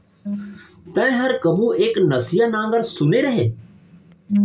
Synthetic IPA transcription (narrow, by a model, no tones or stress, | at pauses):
t̪ə̃ẽɦəɾkəmũːʔeːknəsɪjanãːŋɡəɾsʊneːɾəɦeː